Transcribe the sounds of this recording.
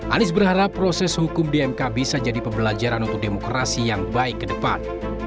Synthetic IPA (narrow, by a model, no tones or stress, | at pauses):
ʔanɪsbərhaɾapːɾosɛshukʊmdiɛmkabisad͡ʒadipəbəlad͡ʒaɾanunt̪ʊk̚demokɾasijaŋbaɪkːədəpa̰n